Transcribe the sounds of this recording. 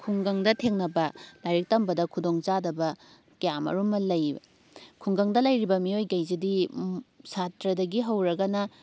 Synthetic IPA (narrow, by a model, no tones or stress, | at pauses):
kʰuŋɡɐŋdɐtʰeŋnɐbɐlajɾik̚tɐmbɐdɐkʰudoŋt͡ʃadɐbɐ | kijamɐ̰ɾumːɐlɐjbɐ̰ | kʰuŋɡɐŋdɐlɐjɾibɐmiojɡɐjzidi | satɾɐdɐɡiɦɐwɾɐɡɐnɐ